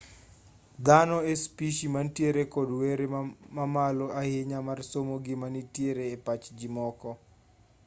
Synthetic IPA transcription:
d̪anɔespiʃimantjeɾekɔdweɾemamaloʔahɪɲamarsomoɡɪmanitjeɾeːpat͡ʃd͡ʒɪmɔkɔ

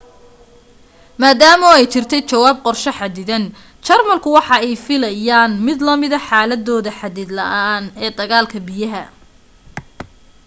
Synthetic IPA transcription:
maːd̪aːmɔɛjt͡ʃɪrt̪ʰɛjt͡ʃɐwaːb̚qɔrʃɐħɑd̪ɪðɐn | t͡ʃɐrmɐlkʰʊwɑħɑɛjfɪlɐjaːnmɪd̪lɐmɪðɐħɑːlɐd̪ːɔːðɐħɑd̪ɪd̪lɐ̰ʔaːnɛːd̪ɐɣaːlkʰɐbɪjɐɦɐ

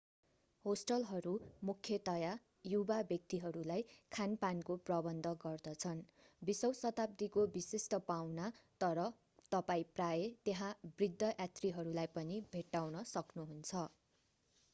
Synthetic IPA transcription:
hosʈʌlɦʌɾumukʰjʌt̪ʌja | jubabjʌk̚t̪iɦʌɾulajkʰanpankoprʌbʌnd̪ʱʌɡʌrd̪ʌt͡sʰʌnbisʌwsʌt̪ap̚d̪ikobisesʈʌpawnat̪ʌɾʌ | t̪ʌpaĩprajet̪eɦãbrid̪ʱːʌʔjat̪riɦʌɾulajpʌnibʱeʈːawnʌsʌknuɦunt͡sʰʌ

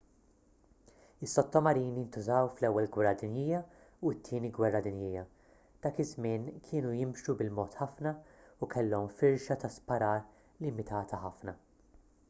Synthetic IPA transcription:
ɪsːɔt̪ːɔmɐɾiːnijɪnt̪ʊzɐwflɛwːɛlɡwɛrːɐd̪ɪnjɪːjɐ | uɪt̪ʰːiːniɡwɛrːɐd̪ɪnjɪːjɐ | d̪̥ɐːkɪzmɪːnkʰɪːnujɪmʃubɪlmɔːt̪ħɐfnɐukʰɛlːɔmfɪɾʃɐt̪ɐspɐɾɐːɾ | lɪmɪt̪ʰɐːt̪ʰɐħɐfnɐ

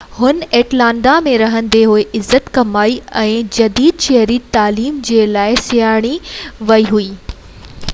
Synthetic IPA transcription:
hʊneːʈlãːɳɖ̪amẽɾɐɦə̃nɪ̆d̪eɦʊeʔɪzːət̪kɐmaːiɛ̃ːd͡ʑɐd̪iːd̪̚ʃeɦɾit̪aːliːmd͡ʑeːlaːɪsɪjaːɽ̃iʋɐiɦuiː

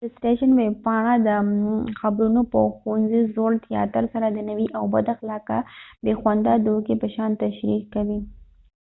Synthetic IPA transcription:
d̥̪əsʈeʃənweb̚pɑɳ̃ad̪əxabɾunopəxoanzizoɽt̪ijɑ̰t̪əɾsaɾad̪ənawiʔawbad̪axalɑkabexwand̪ad̪okepəʃɑnt̪aʃɾikːawi

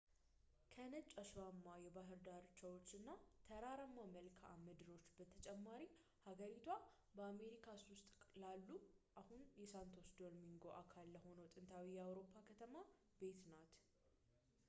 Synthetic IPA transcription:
kʰənət͡ʃʼaʃamːajɛbaɦɨɾd̪aɾt͡ʃawot͡ʃːɨnːat̪ʰəɾaɾəmːaməlkʰa̰mɨd̪ɨɾo̞t͡ʃːbət̪ʰət͡ʃʼɛmːaɾi | haɡəɾit̪ʰwa | bəame̞ɾikʰaswʊst̪ʼkʼlalːuʔahunjɛsant̪ʰo̞sd̪o̞lmiŋɡo̞ʔakʰalːəho̞nəwt̪ʼɨnt̪ʰawijɛawɾo̞pʰːakʰət̪ʰəma | b̥e̞t̪nat̪

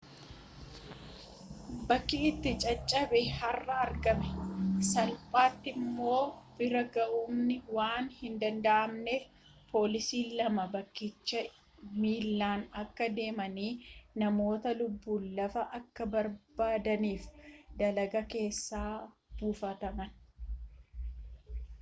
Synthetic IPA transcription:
bɐkːɪɪt̪ːɪt͡ʃʼɐt͡ʃʼːɐbɛhɐrːɐɐɾɡɐmɛsɐlpʼaːt̪ːɪmːo̞ːbɪɾɐɡɐʔuːmnɪwaːnhɪnd̪ɐnd̪ɐʔɐmneːf | pʰo̞ːlɪsiːlɐmɐbɐkːɪt͡ʃːɐ | miːlːaːnɐkːɐd̪e̞ːmɐniːnɐmo̞ːt̪ɐlʊbːuːlːɐfɐʔɐkːɐbɐɾb̥aːd̪ɐniːfd̪ɐlɐɡɐke̞ːsːaː | b̥uːfɐt̪ɐmɐn

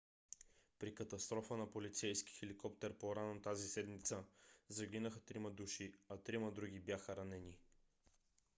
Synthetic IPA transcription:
pɾikət̪ɐst̪ɾɔfənɐpolit̪sɛjsk̟i̥xɛlikɔp̚t̪ɛɾpoɾanət̪azisɛd̪mit̪səzɐɡ̟ʲinəxət̪ɾiməd̪uʃiɐt̪ɾiməd̪ɾuɡʲibjaxəɾɐnɛni

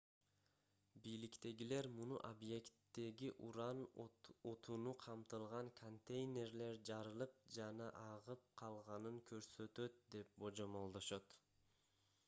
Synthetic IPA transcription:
bijlikt̪e̞ɡile̞ɾmunuʔobje̞kt̪ːe̞ɡiʔuɾɑnot̪ʰunuqʰɑmt̪ɯlˠʁɑŋkʰont̪ʲe̞jnʲe̞ɾle̞ɾd͡ʒɑɾɯlˠɯp̚d͡ʒɑnɑʔɑʁɯp̚qʰɑlˠʁɑnɯŋkʰø̞ɾsø̞t̪ø̞t̪̚d̪e̞p̚bo̞d͡ʒo̞mo̞lˠd̪o̞ʃot̪

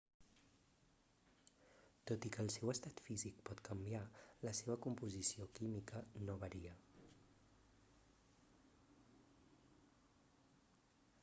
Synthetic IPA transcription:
t̪ot̪ikəːlˠsɛwəst̪at̪fizik̚pɔt̪kəmbialəseβ̞əkumpuzisiokimikənoβəɾiə

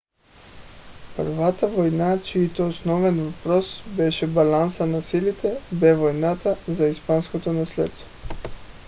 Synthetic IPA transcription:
prvat̪avojnat͡ʃiːt̪ɛosnɔvɛnvapɾɔsbɛʃɛbalansanasilit̪ɛbɛvojnat̪azaispanskot̪onaslɛ̰t̪st̪vo

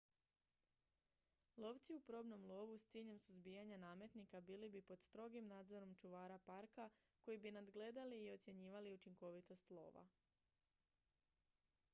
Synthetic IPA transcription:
lˠo̞ːʋt̪siupɾo̞ːbno̞mlˠo̞ːʋust̪iːʎe̞msuzbijaɲanaːmje̞t̪nikabiːlibipo̞d̪st̪ɾo̞ɡimnaːd̪zo̞ɾo̞mt͡ʃuʋaːɾapaɾkako̞jibinad̪ɡle̞d̪aliːot̪sʲje̞ɲiːʋaliut͡ʃiŋko̞ʋit̪o̞st̪lˠo̞̰ːʋa̰

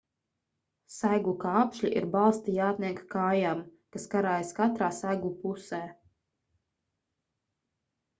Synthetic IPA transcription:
sajɡukaːpʃlʲiʔḭɾbalˠst̪ijaːt̪nʲiɛkkaːjam | kaskaɾaːjaskat̪ɾaːsajɡupusɛː

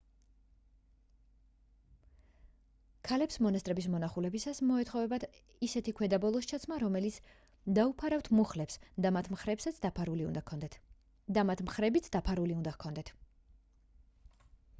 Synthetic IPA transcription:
kʰalɛpsmɔnast̪ʼɾɛbismɔnaχulɛbisasmɔɛt̪χɔvɛbat̪ | isɛt̪ʰikʰwɛd̪abɔlˠɔst͡ʃʰat̪sʰmaɾɔmɛlit̪sʰ | d̪aupʰaɾaft̪ʰmuχlɛpsd̪amat̪ʰmχɾɛpsat̪sd̪apʰaɾuliṵnd̪akʰɔd̪ɛ | d̪amat̪ʰmχɾɛbit̪sʰd̪apʰaɾuliund̪akʰɔnd̪ɛt̪ʰ

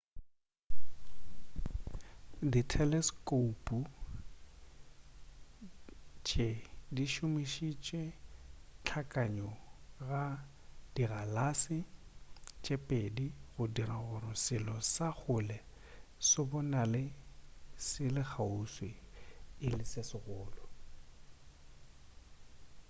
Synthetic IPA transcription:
ditʰɛlɛskʼopʼu | t͡ʃʼediʃʊmiʃit͡ʃʼwɛ | t͡ɬʰakʼaɲɔɣa | d̥iɣalasɪ | t͡ʃʼepʼediɣʊdiraɣʊɾɪsɪlɔsaχʊlɛ | sʊbɔnalɪ | sɪlɪk͡xʰauswɪɪlɪsɪsɪɣʊːlɔ

